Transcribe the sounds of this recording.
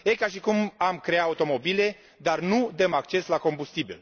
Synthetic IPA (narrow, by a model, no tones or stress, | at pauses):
ekaʃikumamkɾe̞aut̪o̞mo̞bile̞ | d̪arnud̪əmak̚t͡ʃe̞slako̞mbust̪ibḭl